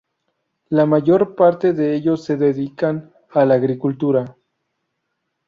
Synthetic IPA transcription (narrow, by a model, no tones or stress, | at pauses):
lamaʝoɾpaɾt̪eðeeʎosːeðeðikan | alaːɣɾikult̪uɾa